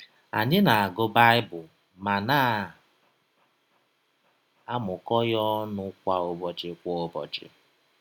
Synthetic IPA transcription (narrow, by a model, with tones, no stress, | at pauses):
a̰˨ɲɪ˦na˨a˨ɡʊ˦ba˦ɪ˦bʊ˨ | ma˨naː˦˨ | a˦mʊ˨kɔ˦jɔ˦nʊ˦kʷa˦o˦bɔ˨t͡ʃɪ˨kʷɔ˦o˦bɔ̰˨t͡ʃɪ̰˨